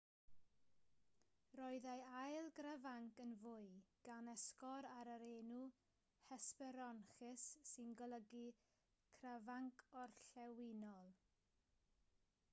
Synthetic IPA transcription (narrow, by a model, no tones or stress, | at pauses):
rɔɨðajajlˠɡravaŋkənvʊɨɡ̥anɛskɔɾaɾəɾeːnu | hɛspɛɾɔnχɪsːɪnɡɔlˠəɡi | kʰravaŋkʰɔrɬɛwɪnɔlˠ